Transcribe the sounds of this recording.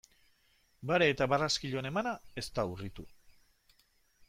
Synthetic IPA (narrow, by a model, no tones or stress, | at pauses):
baɾeːt̪aβaraskiʎone̞manae̞st̪auɣit̪u